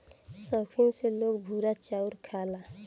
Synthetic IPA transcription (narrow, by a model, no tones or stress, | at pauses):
səkʰiselokbʱuɾat͡ʃauɾkʰala